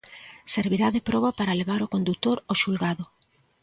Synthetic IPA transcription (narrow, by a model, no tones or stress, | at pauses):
seɾβiɾaðepɾɔβapaɾaleβaɾokond̪ut̪oɾoʃulɣaðʊ